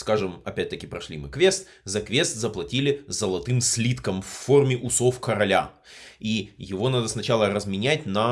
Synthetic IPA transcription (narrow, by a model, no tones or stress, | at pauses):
skaʐɨmɐpʲæt̚ʲt̪əkʲɪpɾɐʂlʲimɨ̰kvʲe̞st̪ | zɐkvʲe̞st̪zəplˠɐtʲilʲɪzəlˠɐt̪ɨmsʲlʲit̪kəmfːo̞rmʲɪʔʊsofkəɾɐlʲa̰ | ijɪvo̞nad̪əsnɐt͡ɕalˠəɾəzmʲɪnʲætʲnɐ